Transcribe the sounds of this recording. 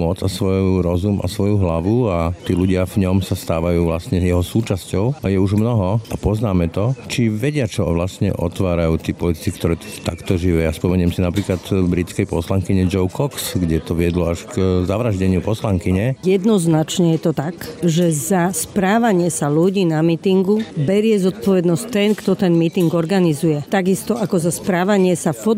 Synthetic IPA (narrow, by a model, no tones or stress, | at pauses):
mɔt͡sasʋɔjuɾɔzumʔa̰sʋɔjuɦlaʋuat̪iːluɟɪavɲɔmsast̪aːʋajuːʋlasɲɛjɛɦɔsuːt͡ʃascɔʊajɛuʒmnɔɦɔʔapɔznaːmɛt̪ɔt͡ʃiʋɛɟɪat͡ʃɔʋlast̪ɲɛ̰ʔɔ̰t̪ʋaːɾajuːt̪iːpɔlit̪i̥t͡sikt̪ɔɾɛːt̪ɛt̪akt̪ɔʒiʋɛːaspɔmɛɲɛmsinapɾiːklat̪bɾit͡skɛjpɔslaŋkiɲɛd͡ʒɔʊkʰɔksɡɟɛt̪ɔʋɪɛd̪lɔaʃkzaʋɾaʒɟɛɲɪupɔslaŋkiɲɛjɛd̪nɔznat͡ʃɲɛjɛt̪ɔt̪aɡʒɛzaspɾaːʋaɲɪɛsaluɟiːnamit̪iŋɡubɛɾɪɛzɔt̪̚pɔʋɛd̪nɔsct̪ɛnkt̪ɔt̪ɛnmit̪iŋɡɔɾɡanizujɛt̪aɡist̪ɔʔakɔzaspɾaːʋaɲɪɛsafɔ